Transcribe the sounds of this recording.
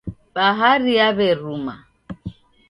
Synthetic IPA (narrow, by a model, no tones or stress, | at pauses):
ɓaɦaɾiaβɛɾuma̰